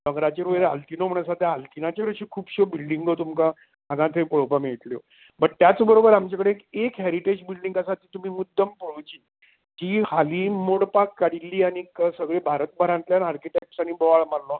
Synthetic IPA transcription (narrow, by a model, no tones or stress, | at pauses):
dəŋɡɾat͡ɕeɾʋəɾea̰lt̪inom̤əɳ̃asad̪ʱjaalt̪inat͡ɕeɾəɕikʰuːpɕobilɖiŋɡət̪umkã | aɡãt̪ʰepəɭopamiɭit̪ljo̰ | bəʈt̪jat͡sbəɾobəɾamt͡ɕakəɽekekɦɛɾiʈed͡ʑbilɖiŋɡasat̪iːt̪um̤iːmud̪ʱːəmpəɭot͡ɕiː | d͡ʑiːhaliːmoɽpakːaɽilːiːañikəsəɡɭebʱaɾət̪bʱəɾãnt̪ljanaɾkiʈepsañibɔʋaɭmalːo